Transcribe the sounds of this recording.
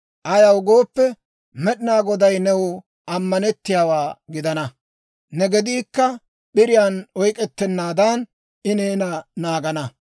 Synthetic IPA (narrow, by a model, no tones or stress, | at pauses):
ʔɐjɐwʊɡo̞ːpːɛ | mɛɗɪnaːɡɔd̪ɐjnɛwʊ | ʔɐmːɐnɛt̪ːɪjaːwaːɡɪd̪ɐnɐ | nɛɡɛd̪iːkːɐ | ɓɪɾɪjaːnɔjkʼɛt̪ːɛnːaːd̪an | ɪneːnɐnaːɡɐnɐ